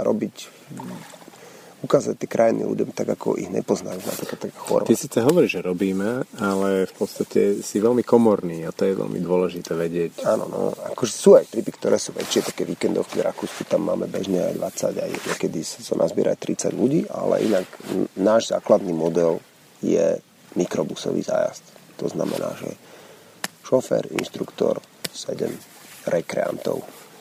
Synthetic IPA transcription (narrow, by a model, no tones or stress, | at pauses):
ɾɔ̰bic | ukaːzac̚t̪ɪɛkɾʔajinḭlʲṵɟɔmt̪aɡakɔ̰ʔiɣɲɛ̰pɔznajuat̪ɾikat̪ːakaxɔ̰ɾt̪isiːt͡sɛɦɔʋɔɾiʒɛɾɔbiːmɛalɛfpɔt̪st̪acʰɛsiʋɛlmikɔmɔɾniːat̪ɔjɛʋɛ̰lmḭd̪ʊɔlɛʒit̪ɛʋɛɟɪɛcaːnɔnɔ̰akɔʒɛsuːajt̪ɾipikt̪ɔɾʔɛːsuːʋɛ̰t͡ʃɪɛt̪ḁkɛʋiːkɛnd̪ɔʊkɛɾakuːskit̪amːa̰ːmɛbɛʒɲɛa̰jd̪ʋat͡saɟa̰jɲɛkɛd̪issɔnazbɪɛɾajt̪ɾit͡saɟluɟiːʔalɛ̰ʔinaɡnaːʒzaːklad̪niːmɔd̪ɛl | jɛ | mikɾɔbusɔʋḭːzaːjast̪t̪ɔznamɛnaːʒɛ | ʃɔfɛːɾḭnʃt̪ɾukt̪ɔɾ | sɛɟɛ̰m | ɾɛkɾɛa̰nt̪ɔ̰ʊ